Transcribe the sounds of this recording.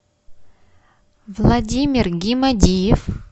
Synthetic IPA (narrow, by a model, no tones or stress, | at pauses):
vlˠɐdʲimʲɪrɡʲimɐdʲijɪf